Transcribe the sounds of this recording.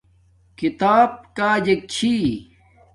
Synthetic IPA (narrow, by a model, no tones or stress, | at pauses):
kit̪aːb̚kaːd͡ʑek̚t͡ɕʰi